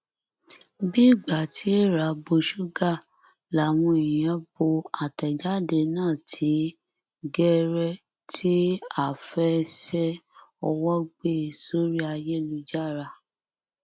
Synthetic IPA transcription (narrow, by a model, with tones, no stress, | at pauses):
bi˦˨ɡ͡ba˨tʰi˨˦e˦˨ɾa˨bo˧ʃu˦ɡa˦˨ | la˨w̃ɔ̃˧i˨jã˨˦bo˧a˨tɛ˨d͡ʒa˦de˧nãː˦˨tʰi˨˦ | ɡɛ˦ɾɛ˦ | tʰi˦a˦˨fɛ˦sɛ˦ɔ˧wɔ˦ɡ͡be˦˨so˦ɾi˦a˧je˦lu˧d͡ʒa˦ɾa˧˨